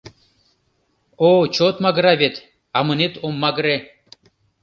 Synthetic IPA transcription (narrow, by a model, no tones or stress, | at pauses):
ot͡ɕʰot̪maɡɾavet̪ | amɨnit̪omːaɡɾe